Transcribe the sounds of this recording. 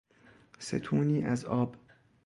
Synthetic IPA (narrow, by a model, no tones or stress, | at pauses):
sḛt̪ʰuːniːʔæzɒːb